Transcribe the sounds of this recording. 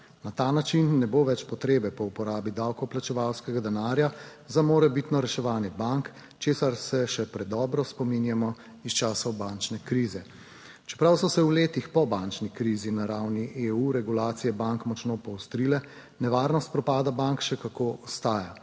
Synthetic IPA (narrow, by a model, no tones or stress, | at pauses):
nat̪aːnat͡ʃinːɛboːʋɛt͡ʃpɔt̪ɾeːbɛpɔupɔɾaːbid̪awkɔplat͡ʃɛʋawskɛɡad̪ɛnaːɾja | zamoːɾɛbit̪nɔɾɛʃɛʋaːnjɛbaŋk | t͡ʃeːsaɾsɛʃɛpɾɛd̪ɔːbɾɔspɔminjamɔ | ist͡ʃaːsɔbant͡ʃnɛkɾiːzɛ | t͡ʃɛ̥pɾawsɔsɛuleːt̪ixpɔbant͡ʃnikɾiːzinaɾawniʔeuɾɛɡulaːt̪sijɛbaŋkmɔt͡ʃnopɔwst̪ɾilɛ | nɛʋaːɾnɔst̪̚pɾɔpaːd̪abaŋkʃɛkakoːɔst̪aːja